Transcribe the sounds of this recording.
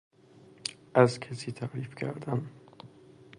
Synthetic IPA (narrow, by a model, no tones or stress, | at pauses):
ʔæzcʰæsiːt̪ʰæɾiːfcʰæ̰ɾd̪æm